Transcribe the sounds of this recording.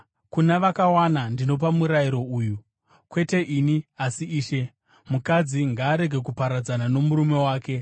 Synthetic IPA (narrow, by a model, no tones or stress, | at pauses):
kunaʋakawanandino̞pamuɾajiɾo̞uːju | kwe̞te̞ʔiniasiiːʃe̞ | mukad͡ziŋɡaːɾe̞ɡʱe̞kupaɾad͡zanano̞muɾume̞waːke̞